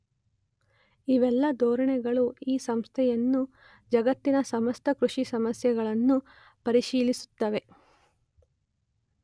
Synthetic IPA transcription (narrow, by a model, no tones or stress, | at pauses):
iʋɛlːɐd̪ɔːɾɐɳɛɡɐɭuiːsɐmst̪ʰɛjɐnːu | d͡ʒɐɡɐt̪ːinɐsɐmɐst̪ʰɐkɾuʂisɐmɐsjɐɡɐɭɐnːu | pɐɾiʃiːlisu̥t̪ːɐʋe̞